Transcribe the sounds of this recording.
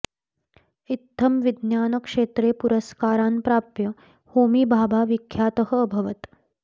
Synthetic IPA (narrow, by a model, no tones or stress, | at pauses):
it̪ʰːɐmʋid̪njaːnəkʂeːt̪ɾeːpuɾəskaːɾaːnpɾaːpjɐ | hoːmiːbʱaːbaːʋikʰːjaːt̪əɦəːbʱɐʋət̪